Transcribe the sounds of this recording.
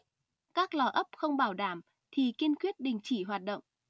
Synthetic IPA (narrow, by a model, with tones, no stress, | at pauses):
kaː˦˥k̚lɔ˨˩ʔə˦˥p̚xə˧wŋ͡mɓaː˧˩wɗaː˧˩m | t̪ʰi˨˩ki˧ənkwi˦˥ət̚ɗï˨˩ŋ̟t͡ɕi˧˩˦ɦwaː˨˩t̚ɗə̰˧˨wŋ͡mʔ